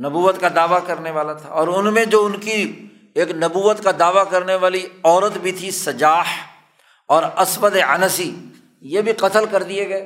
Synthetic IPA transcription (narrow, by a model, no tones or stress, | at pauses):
nɐbuːʋət̪kad̪aːʋakɐɾneʋaːlat̪ʰa̰ɔːɾʊnmẽd͡ʒoːʊnki | eːknɐbuːʋət̪kad̪aːʋakɐɾneʋaːliɔːɾət̪bʱit̪ʰisɐd͡ʒaːh | ɔːɾɐsbəd̪eɐnəsi | jebʱiqɐt̪əlkɐɾd̪ieɡɐeː